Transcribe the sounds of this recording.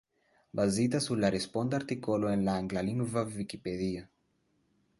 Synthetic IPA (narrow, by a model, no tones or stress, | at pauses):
bazid̪asularespond̪aɾt̪ikoloenlaːŋɡlaliŋɡvavikipeðia